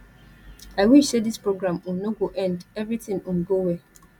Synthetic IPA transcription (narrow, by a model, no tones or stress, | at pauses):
aɪwiʃsedispɹoɡɾãm̩̃noɡoʔɛ̃ndɛvɾitɪ̃ŋ̩m̩ɡowe